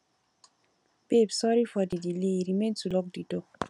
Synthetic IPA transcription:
b̥ebsɔɾifɔdidileɾimẽntulɔk̚dido

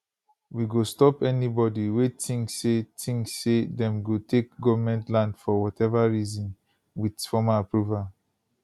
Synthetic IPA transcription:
wiɡostɔpɛnibɔdiwetʰĩŋssetʰĩŋksːedɛ̃mɡotʰek̚ɡɔvamɛ̃ntlãndfɔwɔtɛvaɹizɔ̃n | widfɔmaapɹuval

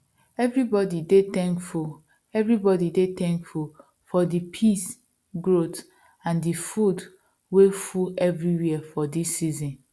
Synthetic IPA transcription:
ɛvɹibɔdidetɛ̃ŋkfu | ɛvɹibɔdidet̪ɛ̃ŋkful | fɔdipʰis | ɡɹot | ãndifud | wefuɛvɹiwifɔdisːizɔ̃n

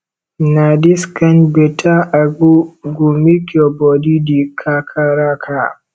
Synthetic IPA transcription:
nadiskanbɛtʰaʔaɡuɡumikɔbɔdidikʰakʰaɾakʰa

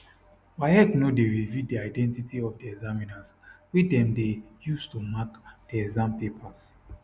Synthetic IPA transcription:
waɛknodeɹividiaɪdɛ̃ntitʰiɔfdiɛɡzaminaswidɛ̃mdejustumakd̥ɛɛɡzãmpepʰas

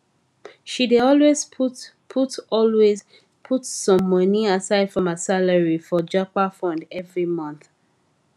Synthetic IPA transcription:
ʃideɔlwezp | pʰutɔlwez | pʰutsɔ̃mːʌniasaɪd̥fɹɔ̃məsaləɹifɔd͡ʒapafɹɔ̃ndɛvɹimʌ̃nθ

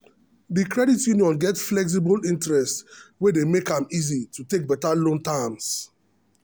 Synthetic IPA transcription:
ðikɹɛditjuniɔ̃nɡɛtflɛks̬ibɔlĩntɹɛstwedemekãmizitʰutek̚bɛtalõntãms

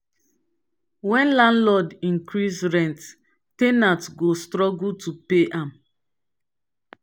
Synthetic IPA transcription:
wɛ̃nlãnlɔdĩŋkɹisɹɛ̃nt | tenatɡostɹɔɡutʰupeʔãm

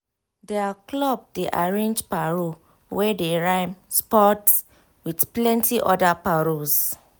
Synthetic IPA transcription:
dɛaklɔb̚deʔa̰ɹẽnd͡ʒpaɹo | wɛdeɹãɪmspɔt | widplɛ̃ntʰiʔɔdapaɹos

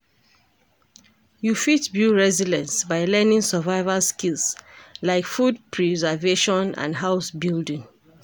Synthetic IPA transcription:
jufitbuɹɛzidɛ̃nsbaɪlɛnĩŋsəvaɪvalskilslaɪkfudpʰɹɛzɛveʃɔ̃nã̰ndɦaʊsbildĩŋ

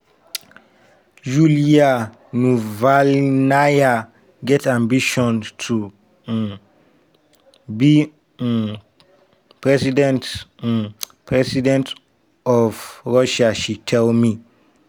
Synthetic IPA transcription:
julia | nuvalnaja | ɡɛtãmbiʃɔ̃ntʰu | bi | pʰɹɛsidɛ̃nt | pʰɹɛsidɛ̃nt | ɔvɹɔʃaʃitʰɛlmi

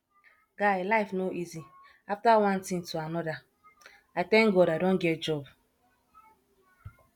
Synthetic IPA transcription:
ɡ̥aelaɪfnoʔizi | aftawãntĩŋtuanɔda | atɛ̃ŋɡɔdadõnɡɛtd͡ʒɔb

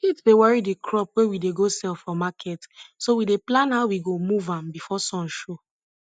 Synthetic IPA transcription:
kitdewɔɹidikʰɹɔp̚wewideɡosɛlfɔmakʰɛtsowideplãnhaʊwiɡomuvãmbifɔsɔ̃nʃo

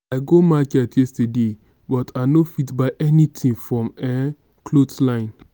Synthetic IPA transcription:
aɪɡomakɛtjɛstəde | bɔtʰanofitbaɪʔɛnitʰĩnfɹɔ̃mɛ | kʰlotlãɪ̃n

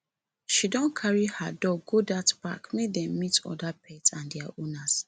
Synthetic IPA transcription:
ʃidɔ̃nkʰaɹihadɔɡɡodatpa̰kmedɛ̃mːitɔ̰dapʰɛtsãndɛaʔonas

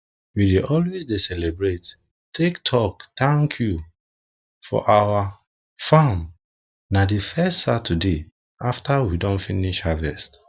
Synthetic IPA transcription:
wideʔɔlwezdesɛlɛbɹet | tʰektʰɔktãŋkʰju | fɔ̰ʔawa | fãm | nadifɛstsatʰude | aftawidɔ̃nfiniʃhavɛst

